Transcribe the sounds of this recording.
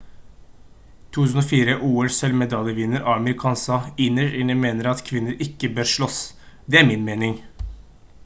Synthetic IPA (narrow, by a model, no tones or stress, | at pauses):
t̪ʰuːʉːsn̩ɔfiːɾəʔuːəlsɛlʋmɛd̪ɑljəʋɪnəɾʔɑːɑməɾɪkʰɑːnsɑɪnəɾɪnəmeːnəɾɑt̪kʰʋɪnːəɾɪkːəbøːɾʂɭɔs | d̪ɛæɾmɪnmeːnɪŋ